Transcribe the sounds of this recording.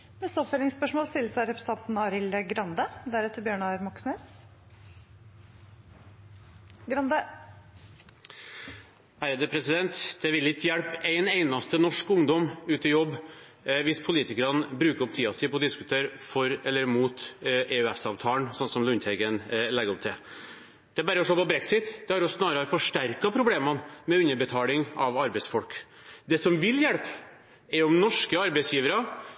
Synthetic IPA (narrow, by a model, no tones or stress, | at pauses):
nɛst̪əɔpfeːlɪŋspœʂmoːlst̪ɪlsæɾɛpʰɾəst̪ɑnt̪n̩ɑːɾɪləɡɾɑnd̪əd̪æɾʉːt̪əɾbjøːɳɑɾmɔksneːs | ɡɾɑnd̪ə | æɾəd̪əpʰɾɛsɪd̪ɛnt̪d̪̥ɛʋɪlɪkəjæɽpæɪnæɪnɑst̪ənɔʂkʊŋd̪ɔmʉːt̪əjɔbː | ʋɪspʰʊliːt̪ɪkəɾɑnbɾʉːkəɾɔp̚t̪ʰiːɑsɪpʰɔd̪ɪskʉt̪ʰeːɾfɔɾɛlːəɾmuːt̪ʔeːʉɛsɑʋt̪ʰɑːnsɔnsɔmlʉnt̪ʰɛɡənlɛɡəɾɔp̚t̪ʰɪl | d̪̥ɛæɾbæːɾəɔʂoːpɔbɾɛksɪt̪d̪ɛhɑɾɔsnɑːɾəɑɾfɔʂʈæɾkɑpʰɾʊbleːmɑnmɛʉnːəɾbət̪ʰɑːlɪŋɑʋɑɾbɛɪsfɔlk | d̪ɛsɔmʋɪljɛɽp | ɛɾɔmnɔʂkəɑɾbɛɪsjiːʋəɾɑ